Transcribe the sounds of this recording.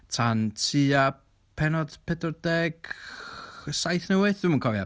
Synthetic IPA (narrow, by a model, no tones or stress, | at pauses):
tʰantʰia | pʰɛnɔd̥pʰɛdɔdɛɡ̥ | sajθnɛwɨðdɨmənkʰɔvja